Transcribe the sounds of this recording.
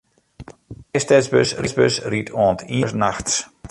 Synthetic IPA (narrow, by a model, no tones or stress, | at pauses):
ɛjstɛt͡sbø̰srisbøsritʰɔːntʰiəsnaxts